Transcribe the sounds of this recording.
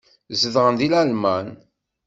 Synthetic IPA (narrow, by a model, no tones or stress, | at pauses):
zəðʁənðilælmæn